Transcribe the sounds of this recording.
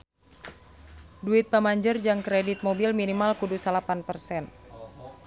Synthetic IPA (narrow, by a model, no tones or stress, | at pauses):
duit̪̚pamaɲd͡ʒərd͡ʒaŋkɾɛdit̪̚mobilminimalkudusalapanpərsɛn